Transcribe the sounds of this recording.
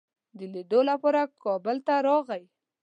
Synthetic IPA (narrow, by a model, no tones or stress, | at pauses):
d̪əled̪olapɑɾakɑbəlt̪aɾɑɣaj